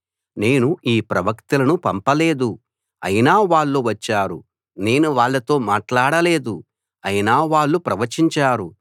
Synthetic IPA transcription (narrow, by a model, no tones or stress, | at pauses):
ne̞ːnuʔiːpɾɐʋɐkt̪ulɐnupɐmpɐle̞ːd̪u | ɐ̰jinaːʋaːɭːuʋɐt͡ʃːaːɾṵ | ne̞ːnuʋaːɭːɐt̪o̞ːmaːʈlaːɽɐle̞ːd̪u | ɐjinaːʋaːɭːupɾɐʋɐɾt͡ʃiɲt͡ʃaːɾu